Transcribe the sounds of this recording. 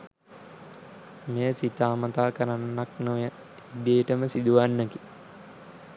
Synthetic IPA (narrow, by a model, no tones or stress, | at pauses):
meːəsit̪aːmət̪aːkəɾanːaknujə | ibeːʈəməsid̪uʋanːəki̥